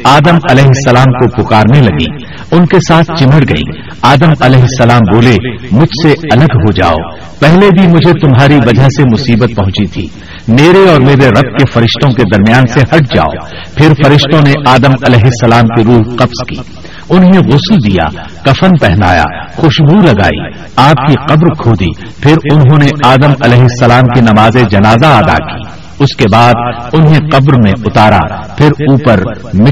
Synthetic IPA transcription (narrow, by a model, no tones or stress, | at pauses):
aːd̪əmɐlɛːɦɪsːɐlaːmkopʊkaːɾnelɐɡḭː | ʊnkesaːt̪ʰt͡ʃɪməɽɡɐḭ̃ː | aːd̪əmɐlɛːɦɪsːɐlaːmboːlemʊd͡ʒʱseɐləɡɦod͡ʒa̰ːo̰ | pɛɦlebʱimʊd͡ʒʱet̪ʊmɦaːɾiʋɐd͡ʒʱasemʊsiːbət̪̚pɐɦʊ̃t͡ʃit̪ʰḭː | meːɾeɔːɾmeːɾeɾɐb̚kefɐɾɪʃt̪õked̪ɐɾmijaːnsehɐʈ̚ʰd͡ʒa̰ːo̰ | pʰɪɾfɐɾɪʃt̪õneʔaːd̪əmɐlɛːɦɪsːɐlaːmkiɾuːɦqɐbskḭː | ʊnɦẽɣʊsld̪ija̰ | kɐfənpɛɦna̰ːja̰ːxʊʃɡuːlɐɡa̰ːḭ | aːp̚kiqɐbɾkʰoːd̪ḭ | pʰɪɾʊnɦõːneʔaːd̪əmɐlɛːɦɪsːɐlaːmkinɐmaːzed͡ʒɐnaːzaaːd̪a̰kḭː | ʊskebaːd̪ʊnɦẽqɐbɾmẽʊt̪aːɾa̰pʰɪɾuːpəɾ | mɪ